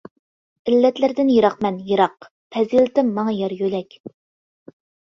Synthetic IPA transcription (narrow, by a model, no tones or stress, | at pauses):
ɪlːɛt̪lɪɾd̪ɪnjiɾɑqmɛnjɨɾɑq̚ | pʰɛzilɪt̪ɪmːɑŋɑjɑɾjølɛkʲ